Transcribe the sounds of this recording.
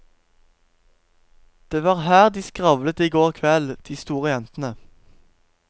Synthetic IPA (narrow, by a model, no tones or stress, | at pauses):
d̪̥eːʋɑːʁhæːʁd̪iːskʁɑʋlət̪iːɡoːʁkʰʋɛld̪̥iːst̪uːʁəjɛnt̪n̩ə